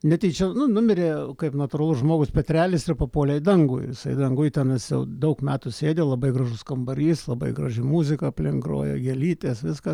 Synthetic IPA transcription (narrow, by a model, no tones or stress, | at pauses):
nʲɛt̪ʲiɪt͡ʃʲɛnʊnʊmʲɪɾʲeːkɐɪpnɐt̪ʊrɐlˠʊsʒmoːɡʊspʲɛt̪ʲɾʲæːlʲɪsɪrpɐpoːlʲɛɪd̪ɐŋɡʊ̰jʋɪsɐɪd̪ɐŋɡʊjt̪ʲɛnɐɪsjɛ̰ʊd̪ɐʊkmʲæːt̪ʊsʲeːd̪ʲelˠɐbɐɪɡɾɐʒʊskɐmbɐɾʲiːslˠɐbɐ̰ɪɡɾɐʒʲɪmuːzʲɪkɐɐpʲlʲɪŋɡro̰ːjo̰ːɡʲelʲiːt̪ʲeːsʋʲɪskɐ